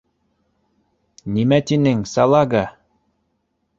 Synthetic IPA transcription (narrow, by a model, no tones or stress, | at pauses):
nimæt̪inɘŋsɑlˠɑɡɑ